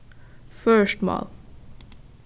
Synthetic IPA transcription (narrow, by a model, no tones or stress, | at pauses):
fœɹʃʈmɑ̰ːl